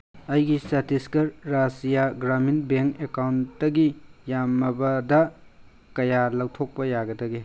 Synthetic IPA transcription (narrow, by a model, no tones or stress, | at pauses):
ɐjɡisɐtiskɐɾːasijaɡɾaminbeŋkekawntːɐɡijamːɐbɐdɐ | kɐjalɐwtʰok̚pɐjaɡɐdɐɡe